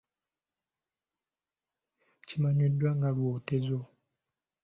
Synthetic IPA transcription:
t͡ʃimaɲidwaŋɡaɾwotezo

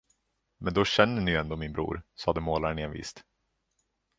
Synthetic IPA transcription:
mɛnd̪ɔɕɛnːəɳɪjɵɛnd̪oːmɪnbɾṵːɾsɑːd̪əmoːlaɾəɳeːnvḭːst̪

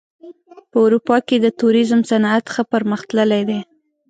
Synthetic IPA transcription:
pəʊɾupɑked̪ət̪uɾizmsanat̪xəpəɾməxt̪ləlejd̪e

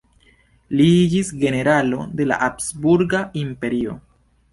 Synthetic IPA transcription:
liid͡ʒisɡe̞ne̞ɾalo̞̰de̞la̰ʔapsbuɾɡaimpe̞ɾio̞̰

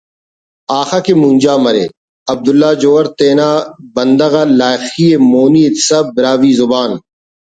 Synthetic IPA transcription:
aːxaːkemũnʲd͡ʒaːmɐɾḛː | ɐb̚d̪ʊlːaːd͡ʒoːɐɾt̪eːnaːbɐnd̪ɐɣaːlaːjxiemoːniːɪt̪sɐbɪɾaːʋiːzʊbaːn

